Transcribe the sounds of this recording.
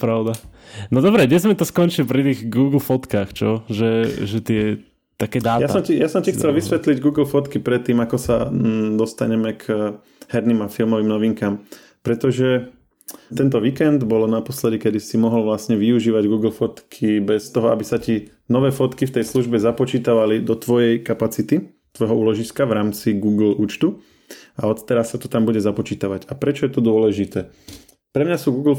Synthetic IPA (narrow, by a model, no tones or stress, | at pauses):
pɾaʊd̪anɔd̪ɔbɾɛɲɛzmɛt̪ɔskɔnt͡ʃilpɾit̪iɣɡuːɡl̩fɔt̪kaːxt͡ʃɔʒɛʒɛt̪ɪɛ | t̪akɛːd̪aːjasɔmcijasɔmcixt͡sɛlʋisʋɛt̪liɟɡuːɡl̩fɔt̪kipɾɛt̪ːiːmakɔsa̰d̪ɔst̪a̰ɲɛmɛk | hɛɾnimafilmɔʋiːmnɔʋiŋkaːm | pɾɛt̪ɔʒɛ | t̪ɛnt̪ɔʋiːkɛnd̪bɔlɔnapɔslɛd̪ikɛd̪isimɔɦɔlʋlasɲɛʋiuʒiːʋaɟɡuːɡl̩fɔt̪kʰibɛst̪ɔɦɔabisaci | nɔʋɛːfɔt̪kift̪ɛjsluʒbɛzapɔt͡ʃiːt̪aʋalid̪ɔt̪ʋɔjɛjkapat͡sit̪i | t̪ʋɔjɦɔuːlɔʒiskaʋɾaːmt͡siɡuːɡl̩uːt͡ʃt̪u | aɔt̪t̪ɛɾasːat̪ɔt̪ambuɟɛzapɔt͡ʃiːt̪aʋaɟapɾɛt͡ʃɔjɛt̪ɔd̪ʊɔlɛʒit̪ɛː | pɾɛmɲasuːɡuːɡl̩